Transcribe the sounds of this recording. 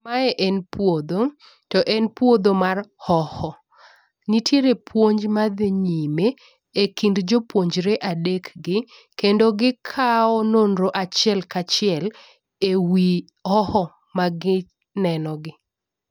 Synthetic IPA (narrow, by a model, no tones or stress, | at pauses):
maɛʔɛnpwod̪o | tɔʔɛnpwod̪omarhɔhɔ | nitʰjeɾepʰwoɲd͡ʒmad̪ɲime | ekindd͡ʒopwoɲd͡ʒɾeʔadekɡɪ | kendoɡɪkʰaɔnonɾoʔat͡ʃɪɛlkat͡ʃɪɛl | ewi | hɔhɔ | maɡɪ | nɛnɔɡɪ